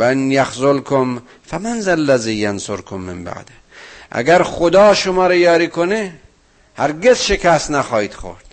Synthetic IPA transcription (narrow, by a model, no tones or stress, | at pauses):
ænjaxzolkʰom | fæmanzælːæziːjansoɾkʰomːemba̰ʕd̪ | ʔæ̰ɡæɾxod̪ɒːʃomɒːɾejɒːɾiːkʰone | hæɾɡezʃekʰæst̪næxɒːhiːd̪̥xo̰ɾd̪̥